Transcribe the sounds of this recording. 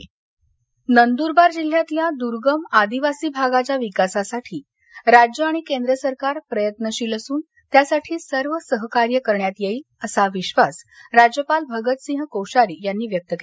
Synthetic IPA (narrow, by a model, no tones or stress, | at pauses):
nənd̪uɾbaɾd͡ʑil̤jat̪ljad̪uɾɡəmad̪iʋasiːbʱaɡat͡ɕjaʋikasasaʈʰiː | ɾad͡ʑjəaɽ̃ikend̪ɾəsəɾkaɾpɾəjət̪nəɕiːləsuːn | t̪jasaʈʰiːsəɾʋəsəɦkaɾjəkəɾɳjat̪jei | əsaʋiɕʋasɾad͡ʑjəpalbʱəɡət̪sĩɦkəwɕaɾiːjanːiːʋjək̚t̪əke